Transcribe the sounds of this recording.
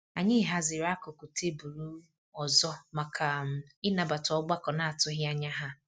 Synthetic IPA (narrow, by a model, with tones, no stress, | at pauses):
a˨ɲɪ˦ɦa˦zɪ˨ɾa˦kʊ˨ku˨tʰe˦bu˨ɾu˦ | ɔ˨zɔ˦ma˨kʰa˨m̩˨ɪ˦na˨ba˨tɔ˦ɡ͡ba˦kɔ˨na˨a˨tʊ˦ɦɪ˦a˦ɲa˦ɦa˦